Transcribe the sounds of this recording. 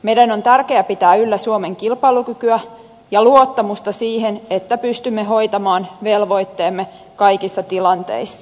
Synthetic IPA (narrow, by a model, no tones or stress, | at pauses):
me̞jdæno̞nt̪ærke̞æpit̪æːylːæsuome̞ŋkilpɑjlukykyæ | jɑluot̪ːɑmust̪ɑsiːɦenet̪ːæpyst̪ymːeɦo̞jt̪ɑmɑːnʋe̞lʋo̞jt̪ːe̞ːmːe | kɑjkisːɑt̪ilɑnt̪e̞̰isːɑ̥